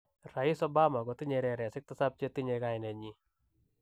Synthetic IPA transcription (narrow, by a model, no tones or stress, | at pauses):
raisɔbamaɡɔt̪iɲeɾɛɾasɪk̚t̪asap̚t͡ʃet̪iɲeɡajnɛɲi